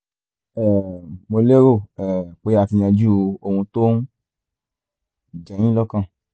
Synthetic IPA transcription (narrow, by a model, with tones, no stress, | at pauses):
ɛ˨mo˧le˦ɾo˦˨ɛ˨k͡pe˦ɾa˧ti˧j̃ã˧d͡ʒu˦˨o˧o˧hũ˧to˦n˦ | d͡ʒã˨j̃ĩ˦lɔ˦kã˦˨